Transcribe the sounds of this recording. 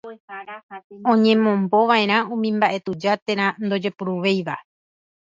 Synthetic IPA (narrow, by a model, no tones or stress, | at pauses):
õ̞ɲẽ̞mõ̞mbo̞ʋaẽ̞ɾ̃ãũmĩmbaʔe̞t̪ud͡ʒat̪e̞ɾ̃ãnd̪o̞d͡ʒe̞puɾuʋe̞jʋa